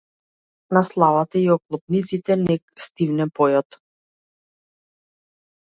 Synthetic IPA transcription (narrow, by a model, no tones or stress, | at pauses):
naslˠavat̪aiɔklˠɔpnit̪sit̪ɛnɛkst̪ivnɛpɔjɔt̪